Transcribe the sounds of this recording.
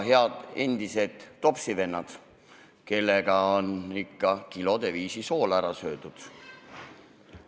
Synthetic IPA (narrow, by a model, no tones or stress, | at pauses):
ɦe̞ɑd̪̥e̞nd̪̥ise̞d̪̥ːo̞psive̞nːɑd̪̥ | ke̞lːe̞ɡ̥ɑo̞nikːɑkilo̞d̪̥e̞viːsiso̞ːlæɾɑsø̞ːd̪̥ud̪̥